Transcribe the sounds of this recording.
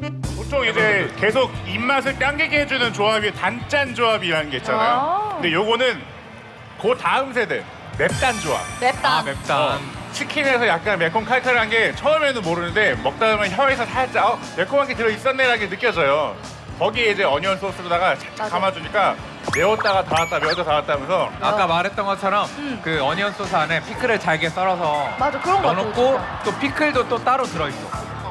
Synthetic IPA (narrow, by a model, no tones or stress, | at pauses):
potʰoŋid͡ʑe̞ke̞s̬ʰoɡ̚imːas̬ʰɯɭt͈jaŋɡeɡiɦe̞d͡ʑunɯnt͡ɕoabitant͡ɕ͈and͡ʑoabiːɾanɯnɡe̞it̚t͡ɕ͈anajonde̞joɡonɯn | kotaɯmsʰe̞dḛ | me̞p̚t͈and͡ʑoa̰p̚mt͈amep̚t͈at͡ɕʰikʰine̞sʰʌjak̚k͈anme̞kʰoŋkʰaɭkʰɯɾiɦanɡe̞t͡ɕʰʌɯmenɯnmoɾɯnɯnde̞mʌk̚t͈aɯmjʌnçjʌaesʰʌtʰaet̚t͡ɕ͈aʌ | me̞kʰomɦaŋɡetɯɾʌis͈ʌnːeɾɦaɡenɯk͈jʌd͡ʑʌjo | kʌɡieid͡ʑe̞ʌɲiʌnsʰosʰɯɾodaɡat͡ɕʰakamad͡ʑuɲik͈a | me̞ʌt̚t͈aɡataɾat̚t͈ameʌtʰotaɾat̚t͈amjʌnsʰʌa̰k͈amaɾɦe̞t̚t͈ʌnɡʌt͡ɕʰʌɾʌmkɯʌɲiʌnsʰosʰuane̞pʰikʰɯɾɯɭt͡ɕaɭɡes͈ʌɾʌsʰʌad͡ʑkɯɾʌŋɡʌnok͈ot͈opʰikʰɯɭdot͈ot͈aɾotɯɾʌis͈o̰